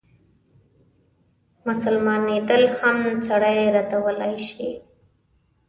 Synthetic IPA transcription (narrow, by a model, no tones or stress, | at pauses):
mʊsəlmɑned̪əlhamt͡saɽajɾat̪awəlajʃi